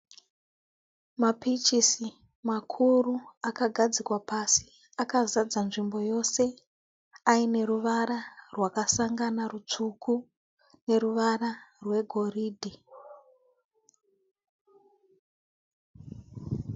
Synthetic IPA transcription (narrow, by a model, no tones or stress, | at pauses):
mapit͡ʃisi | makʰuruakaɡʱad͡zikwapasi | akazad͡zanʐimbo̞jo̞se̞ | aine̞ruʋaɾarwakasaŋɡanarut͡ʂuku | ne̞ruʋararwe̞ɡʱo̞riːdʱi